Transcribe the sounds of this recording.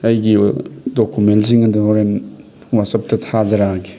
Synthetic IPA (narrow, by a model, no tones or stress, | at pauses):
ɐjɡidokuments̬iŋɐduoɾem | wasɐp̚tɐtʰazɐɾaɾɡi